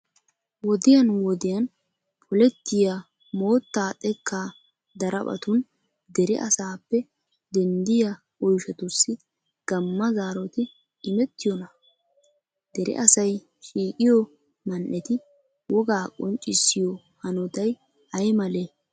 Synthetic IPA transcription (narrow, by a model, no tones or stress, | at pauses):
wɔd̪ɪjɐnwɔd̪ɪjɐn | pʰɔlɛt̪ːɪja | moːt̪ːaːt̪ʼɛkʰːaː | d̪ɐɾʔɐ̰pʼɐ̰t̪ʊn | d̪ɛɾɛ̰ʔɐsaːpːɛ | d̪ɛnd̪ɪjɐ | ɔjʃɐt̪ʊsːɪ | ɡ̥ɐmːɐzaːɾɔt̪ɪ | ɪmɛt̪ːɪjɔnɐ | d̪̥ɛɾɪ̰ʔɐsɐj | ʃiːkʼɪjɔ | mɐnʔɛt̪ɪ | wɔɡaːkʼɔnt͡ʃʼːɪsːɪjɔ | hɐnɔt̪ɐj | ɐjmɐleː